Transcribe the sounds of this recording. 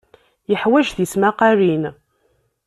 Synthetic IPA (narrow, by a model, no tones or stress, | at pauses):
jəħwæʒðismaqaɾin